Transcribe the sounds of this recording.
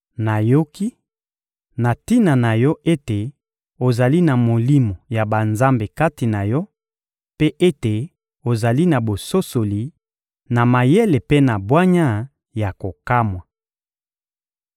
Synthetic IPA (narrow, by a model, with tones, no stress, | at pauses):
na˨jo˦ki˦ | na˨ti˦na˨na˨jɔ˦ʔe˦te˨ | o˨za˨li˦na˨mo˨li˦mo˨ja˨ba˨nza˦mbe˨ka˦ti˨na˨jɔ˦ | pe˦ʔe˦te˨ | o˨za˨li˦na˨bo˨so˦so˨li˨ | na˨ma˨je˦le˨pe˦na˨bwa˦ɲa˦ | ja˨ko˨ka˦mwa˨